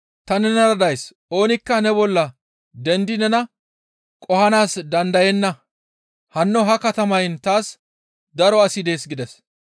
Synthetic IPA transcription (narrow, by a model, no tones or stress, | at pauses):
t̪ɐnɛnɐɾɐd̪ɐjsʔo̞ːnɪkːɐnɛbɔlːɐ | d̪ɛnd̪ɪnɛnɐ | kʼɔhɐnaːsd̪ɐnd̪ɐjɛnːɐ | hɐnːɔɦɐkɐt̪ɐmɐjnt̪aːs | d̪ɐɾɔɐsɪd̪e̞ːsɡɪd̪ɛs